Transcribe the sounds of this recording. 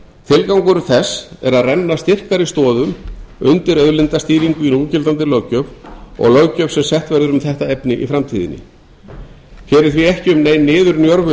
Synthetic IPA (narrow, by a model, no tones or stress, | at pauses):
t̪ʰɪlkawŋkʏɾʏθɛsɛɾaðrɛnːast̪ɪr̥kaɾɪst̪ɔːðʏmʏnt̪ɪɾœðlɪnt̪ast̪iːɾiŋkʏinuːcɪlt̪ant̪̬ɪlœwcœvɔ̰ɣlœɣcœv̥sɛmsɛht̪vɛɾðʏɾʏmθɛht̪aepnɪʔḭfɾamt̪ʰiːðɪ̰nːɪ̰ | fɛːɾɪ̥θviɛhcɪʏmneːjnːɪːðʏɾnjɔɾvʏ